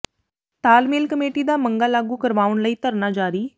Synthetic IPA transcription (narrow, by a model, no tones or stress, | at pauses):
t̪aːlmeːlkəmeːʈiːd̪aːməŋɡaːlaːɡuːkəɾʋaːʋəɳləiːt̪əɾnaːd͡ʒaːɾiː